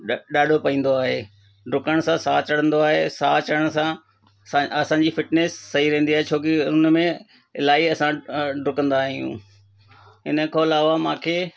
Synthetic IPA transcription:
ɗaːɖʱopɐĩːn̆d̪oaːɦeː | ɖʊkəɽ̃sãsaːt͡ɕɐɽ̤ə̃nd̪oaːɦeːsaːt͡ɕəɽəɽ̃sã | ãɐsãːɲd͡ʑifɪʈneːsːɐɦiɾɛ̃ɦːnd̪iaːɦet͡ɕʰoːkɪʊnmẽ | ɪlaːiɐsãɖʊkə̃nd̪aːɦijṵ̃ː | ɦɪnə̆kʰoɐlaːʋamãːkʰeː

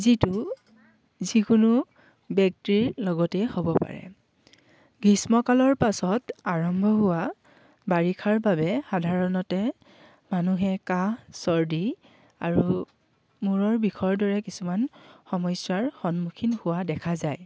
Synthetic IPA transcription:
zitu | zikunu | bjɛk̚tɹiɹlɔɡɔtɛhobɔpa̰ɹɛ̰ | ɡismɔkalɔɹpasɔtaɹɔmbʱɔɦʊwa | baɹikʰaɹbabɛxadʱaɹɔnɔtɛ | manuɦɛkasɔɹdi | aɹu | muɹɔɹbikʰɔɹdɔɹɛkisumanxɔmɔjsaɹxɔnmukʰinhʊwadɛkʰazaj

